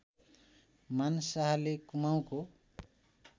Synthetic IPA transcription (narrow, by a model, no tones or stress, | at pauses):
mansaɦalekumaw̃ko